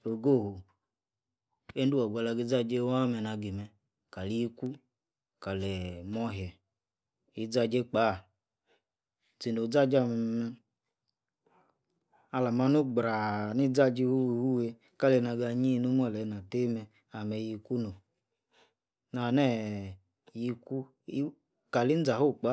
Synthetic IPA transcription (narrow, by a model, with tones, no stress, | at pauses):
o˨ɡo˦˨ho˨ | e˦n˦u˦ɔ˨ɡʷa˨˧la˧ɡi˧˦d͡za˦˨d͡ʒe˦wa˦mɛ˧na˧ɡi˨mɛ˧ | ka˨li˦i˧ku˦ | ka˨lɛ˨mɔ˦ɦjɛ˨ | i˧˦d͡za˧d͡ʒe˦k͡pa˨˦˨ | t͡si˨no˨˦d͡za˦d͡ʒa˧˨mɛ˧mɛ˧ | a˧la˨ma˧nu˦ɡ͡bɾa˨ni˦d͡za˦d͡ʒi˧wu˦wwu˦we˧ | ka˦le˧na˧ɡa˧ɲi˦˧˦nu˦m˦ɔ˦˨lɛ˨˦na˨te˦mɛ˧ | a˨mɛ˧ji˧ku˦no˨ | na˨nɛ˦˨ | ji˧ku˦ | ka˨li˦n̩˦d͡za˨o˦˨k͡pa˦